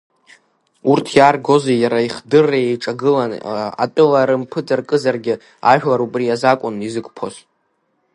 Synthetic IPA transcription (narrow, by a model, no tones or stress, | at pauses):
urtʰjaːrɡo̞zejaɾaiχdɨrːajejʈ͡ʂʼaɡɨlana̰pʼɪlaɾɨmpʰɨd͡zarkʼɨzarɡʲɪ | a̰ʒᶣlaɾupʼrijazakʷʼʊnizɨkʼpʰos